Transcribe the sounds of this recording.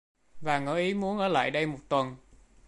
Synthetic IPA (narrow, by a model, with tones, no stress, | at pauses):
vaː˨˩ŋə̰ː˧˩ʔi˨˦mu˨˦ənʔəː˧˩la̰ː˧˨jɗə˧jmo˨˩t̚t̪wə˨˩n